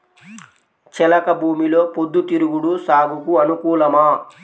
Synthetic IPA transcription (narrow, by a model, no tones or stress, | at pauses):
t͡ʃɛlɐkɐbʱuːmilo̞ːpod̪ːut̪iɾuɡuɽusaːɡukuɐnukuːlɐmaː